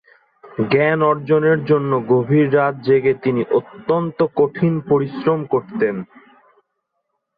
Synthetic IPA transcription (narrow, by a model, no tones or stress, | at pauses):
ɡɛnɔɾd͡ʑoneɾd͡ʑonːoɡobʱiɾːat̪̚d͡ʑeɡet̪iniʔot̪ːont̪okoʈʰinpoɾisɾomkoɾt̪en